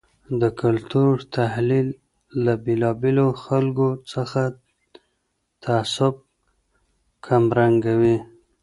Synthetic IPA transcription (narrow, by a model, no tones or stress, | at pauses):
d̪əkalt̪uɾt̪ahlilː | abelɑbeloxalɡot͡səxa | t̪ʰaːsʊb̚ | kʰamɾaŋɡawi